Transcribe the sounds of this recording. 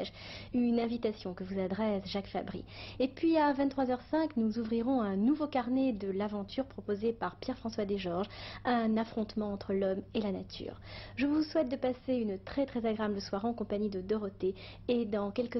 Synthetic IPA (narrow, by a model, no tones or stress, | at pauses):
ʒynɛ̃vit̪asjɔ̃kəvuzad̪ʁɛsʒakfa̰bʁḭepɥiavɛ̃t̪t̪χwazœʁsɛ̃knuzuvʁiʁɔ̃ɛ̃nuvokaʁned̪əlavɑ̃t̪ʰyʁpχɔpozepaʁpjɛʁfχɑ̃swad̪eʒɔʁʒɛ̃nafχɔ̃t̪mɑ̃ɑ̃t̪χəlɔmelana̰t̪ʰy̰ːʁʒəvuswɛt̪̚d̪əpaseynət̪χɛt̪χɛzaɡʁeabləswaʁɑ̃kɔ̃paɲid̪əd̪ɔʁɔt̪eː | d̪ɑ̃kʲɛlkə